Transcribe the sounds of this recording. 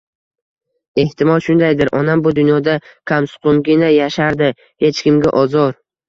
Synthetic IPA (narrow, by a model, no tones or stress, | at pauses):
e̞ht̪ʰɪmɒlˠʃʊnd̪ajd̪ɪɾʔɒnambʊd̪ʊnjɒd̪akʲʰamsʊ̥qʰʊŋɡʲɪnajaʃaɾd̪ɪ | he̞t͡ʃkʲɪmɡʲaʔɒzɒɾ